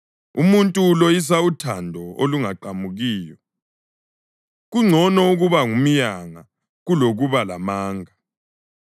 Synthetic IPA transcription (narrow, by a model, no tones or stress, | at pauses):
umuntʼuːlojis̬autʰandʱɔoluŋaǃamuɣiːjɔ | ɣuŋ͡ǀʱɔnɔuɣuβaŋum̩jaŋa | ɣuloɣuβala̰maːŋʱa